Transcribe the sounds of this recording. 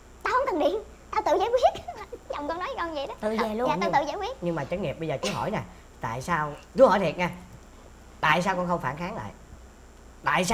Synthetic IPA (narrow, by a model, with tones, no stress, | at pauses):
t̪aː˧whə˧ŋ͡mt̪ɨ˨˩nɗḭ˧˨ən | t̪aː˧wt̪ɨ̰˧˨zaː˨˦jkwi˦˥ət̚zɔ˨˩wŋ͡mkɔ˧nɔ˨˦jkɔ˧nzi˨˩ɗɔ˨˦t̪ɨ̰˧˨ze˨˩lu˧jaː˨aː˧t̪ɨ̰˧˨˩zaː˧˦jwi˦˥ət̚ɲɨ˧ŋmaː˨˩t͡ɕə˦˥t̚ŋi˨˩əp̚ɓə˧jzəː˨˩t͡ɕu˦hɔ̰˧˩jna˨˩ | t̪a̰ː˧˨jsaː˧wt͡ɕu˨˦˥hɔ˧˩jt̪ʰi˨˩ət̚ɲaː˧˩ | t̪a̰ː˧˨js̬aː˧wkɔː˧nxə˧wŋ͡mfaː˧˩nxaː˨˦ŋla̰ː˧˨j | t̪a̰ː˧˨jsa˧